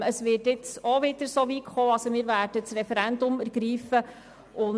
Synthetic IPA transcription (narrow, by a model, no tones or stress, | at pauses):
əsʋɪːtɪt͡soʋɪd̥əɾsoʋikχoːɑsomɪːɾvæːɾd̥ət͡srɛfɛɾɛndʊmæɾɡ̥ɾiːfə | ʊn